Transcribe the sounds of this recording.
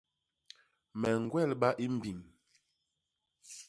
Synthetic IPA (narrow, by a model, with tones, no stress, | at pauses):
mɛ˨ŋ˨ɡwɛ˦˨lɓa˦ʔi˦m̩˦˨bi˨ŋ